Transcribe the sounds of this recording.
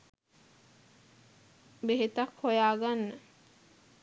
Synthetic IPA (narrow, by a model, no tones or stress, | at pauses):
beɦet̪akhojaːɡanːə